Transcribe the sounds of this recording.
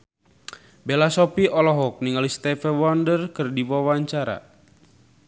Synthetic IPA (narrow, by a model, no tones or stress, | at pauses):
bɛlasɔpiʔɔlɔɦɔk̚niŋalist̪ɛfɛwɔndərkɨrdiwawaɲt͡ʃaɾa̰